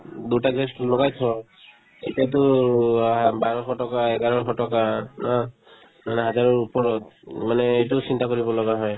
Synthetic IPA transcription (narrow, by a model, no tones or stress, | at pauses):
d̪utaɡɹeslɔɡajt̪ʰɔ | ḛtiat̬u | baɹɔkʰɔʈɔkaeɡaɹɔɔkʰɔʈɔkana | manɛɦazaɹɔɹupɔɹɔt̪manɛːjtusintakoɹibɔlɔɡaɦɔj